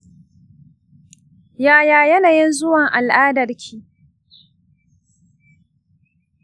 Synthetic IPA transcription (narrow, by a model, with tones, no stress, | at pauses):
jaː˦jaː˨jɐ˦naː˨jɪ˦nzʊ˦wɐ˨ŋʔa˨lʔaː˦dɐ˨rkʲʰiː˦